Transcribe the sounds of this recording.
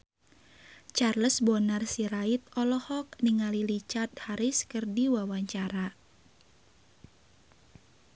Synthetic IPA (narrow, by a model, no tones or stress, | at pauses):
t͡ʃarləsbɔnarsiɾait̪̚ɔlɔhɔk̚niŋalilit͡ʃart̪̚haɾiskɨrdiwawaɲt͡ʃaɾa